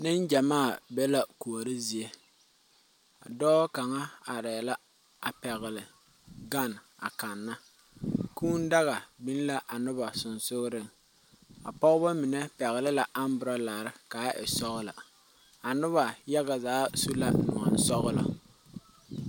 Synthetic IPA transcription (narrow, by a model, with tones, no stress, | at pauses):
nɪ˦nd͡ʒa˨maː˦˨bɛ˦la˦ku˨a˨ɾɪ˦zi˨e˦ | a̰˨dɔː˦ka˨ŋa˦a˨ɾɛː˨la˦ | a˨pɛ˨ɣɪ˨lɪ˨ | ɡa˦˨na̰˨ka˨nːa˦ | kuː˦n˦da˦ɣa˨bi˦n˦la˦ʔa˨nʊ˦ba˨sʊ˨nsʊ˦ɣɾɪ˦ŋ | a̰˨pɔ˦ɣʊ˦ba˦mɪ˨nɛ˦pɛ˨ɣɪ˨lɪ˦la˨ʔa˦m˦bʊ˨ɾa˦la˨ɾɪ˦kaː˨˦ʔɪ̰˨sɔ˦ɣʊ˦la̰˨ | a˨nʊ˦βa˨ja˦ɣa˨zaː˨˦su˦la̰˦nʊ̰˨a̰˨n˦sɔ˦ɣʊ˦la̰˨